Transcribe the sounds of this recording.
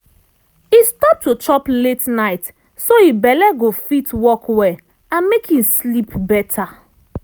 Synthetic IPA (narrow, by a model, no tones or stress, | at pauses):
istɔp̚tːut͡ʃɔpletnaɪt | soibɛlɛɡofitwɔkwɛ | ãnmekhĩmslipbɛtʰa